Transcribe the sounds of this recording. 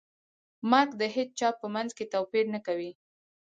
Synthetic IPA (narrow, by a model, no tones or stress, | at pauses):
maɾkd̪əɦet͡st͡ʃɑpːəmanzket̪awpiɾnakawi